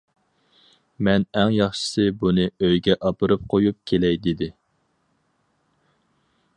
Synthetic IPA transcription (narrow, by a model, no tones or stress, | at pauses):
mɛnæŋjɑχʃɪ̥sɨbunɨøjɡʲɛʔɑpʰɨɾɨp̚qʰojup̚kʲʰelɛjd̪ed̪ɪ